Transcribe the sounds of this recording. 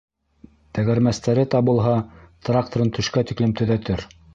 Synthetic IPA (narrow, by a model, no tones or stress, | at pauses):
t̪æɣæɾmæst̪æɾɘt̪ɑbŭlˠɦɑt̪rak̚t̪oɾɤnt̪ʰɵ̆ʃkæt̪iklɘmt̪ɵ̆ðæt̪ɘɾ